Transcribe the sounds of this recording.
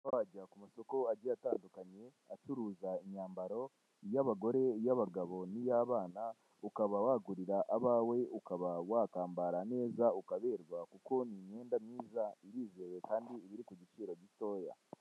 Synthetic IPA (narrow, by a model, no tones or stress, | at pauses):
noaɟakumuso̞ko̞aɟeataːndukaɲe̞ | at͡ʃuɾuːzaiɲaːmbaɾo̞ | jaβaɡo̞ɾe̞jaβaɡaβo̞nijaβaːna | ukaβawaɡuɾiɾaʔaβaːwe̞ukaβawaːkaːmbaɾane̞ːzaukaβe̞ːɾɡakuko̞niɲe̞ːndamɲiːzaiɾiːzewekaːndiːβiɾikuɟit͡ʃiːɾo̞ɟito̞ːja̰